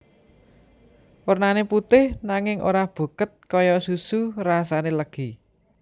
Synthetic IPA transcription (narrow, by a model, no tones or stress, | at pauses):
wərnaneput̪ɪhnaŋɪŋʔo̰ɾab̥ṳkət̪̚kɔjɔsusurasaneləɡ̥i